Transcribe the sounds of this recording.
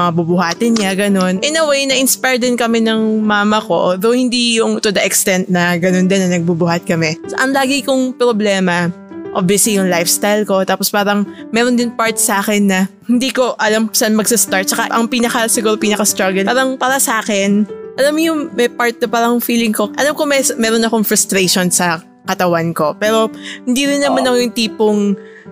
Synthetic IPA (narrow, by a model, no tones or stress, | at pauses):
ɐŋabubʊɦaːt̪ɪnɲaɡɐno̞nʔɛnɐwejnɐʔɪnspajɹd̪ɪnkɐmɛnɐŋmaːmɐko̞̰ðowhɪnd̪ijʊŋt̪ʊd̪ɐʔɛkst̪ɛnt̪̚nɐɡɐno̞nd̪ɪnːɐnɐɡ̚bubʊhat̪̚kɐmɛsʔɐŋlaːɡɪkʊŋpɾoblɛːmɐ | ʔobjɐslijʊŋlajfst̪ajlko̞t̪aːpospaːɾɐŋmɛːɾond̪ɪnpaɹt̪̚saːkɛnːɐhɪnd̪iːko̞ʔɐlamsanmɐɡsɐst̪aɹt̪̚t͡ʃɐkaʔɐŋpiːnɐkɐsɪɡuːɾopiːnɐkɐst̪ɾaɡɐlaːɾɐŋpaːɾɐsɐʔaːkɛnʔɐlamjʊŋmɛjpaɹt̪̚nɐpaːɾɐŋfiːlɪŋko̞ʔɐlamkomɛsmɛːɾonɐkoŋfɾʊst̪ɾeʃonsɐ | kɐt̪ɐwanko̞pɛːɾo̞hɪnd̪iɾɪnːɐmanɐkojʊŋt̪iːpoŋ